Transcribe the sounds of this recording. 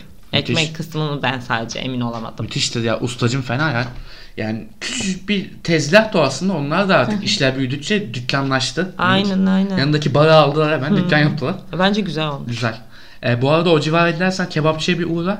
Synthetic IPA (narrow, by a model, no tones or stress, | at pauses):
mɛt̪mɛckʰɯsmɯnɯbænsa̰ːd̪ed͡ʒɛ̰ḛmino̞lˠama̰d̪ɯmyt̪ʰiʃt̪ʰʲijaʔust̪ʰad͡ʒɯmfenajan | jaːnɪcʰy̥t͡ʃʰybit̪ʰɛzlʲaht̪ʰoaslɯnd̪ao̞nlˠaɾd̪aaɾt̪ʰɯkiʃlʲæɾbijyd̪yct͡ʃɛd̪ycʲlanlˠaʃt̪ʰɯajnænajnæjanɯnd̪acʰibaɾaːlˠd̪ɯlˠaɾhemænd̪ycːanjap̚t̪ʰɯlˠaɾbænd͡ʒɛɟyzɛlolˠɟyzælʲ | ɛbuaɾad̪ao̞d͡ʒivaːɾed̪ʲilʲæɾsæncʰebapt͡ʃʰibiʔuːɾa